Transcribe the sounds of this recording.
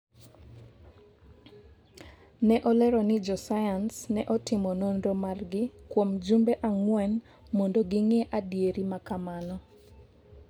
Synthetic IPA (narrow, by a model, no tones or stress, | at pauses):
nɛʔɔlɛɾɔnɪd͡ʒɔsajansnɛʔɔtɪmɔnondomarɡɪkwomd͡ʒumbeʔaŋwɛn | mondoɡɪŋeʔadjeɾimakamanɔ